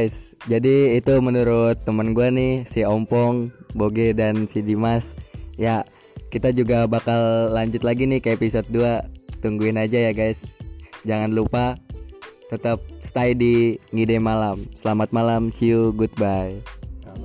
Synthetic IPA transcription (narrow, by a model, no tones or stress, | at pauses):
jsd͡ʒadiːt̪umənuɾʊt̪ːəmənɡuanɪhsiɔmpɔŋboɡedansidimasja | kit̪ad͡ʒuɡabakalːaɲd͡ʒʊt̪laɡinɪhkəepisot̪̚duat̪uŋɡuɪnad͡ʒajaɡajsd͡ʒaŋanlupa | t̪ət̪əp̚st̪aidiŋidɛmalamsəlamat̪̚malamsiuɡut̪̚baj